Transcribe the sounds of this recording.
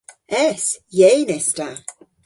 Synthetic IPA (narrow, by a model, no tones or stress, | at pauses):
ɛsjejnɛsta